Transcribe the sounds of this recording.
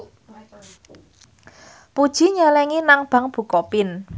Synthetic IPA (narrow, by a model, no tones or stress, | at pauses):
pud̥ʒ̥i̤ɲalɛŋinaŋb̥a̤ŋb̥ṳkɔpɪn